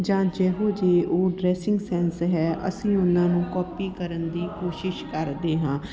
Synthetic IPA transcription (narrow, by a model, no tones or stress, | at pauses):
d͡ʒãːd͡ʒɛːɦõːd͡ʒeːoːɖɾɛːsɪ̃ŋɡsɛːnsɦɛːʔə̰sĩːʊnãːnũːkɔːpiːkəɾənd̪iːkoːʃɪʃkəɾd̪eːɦãː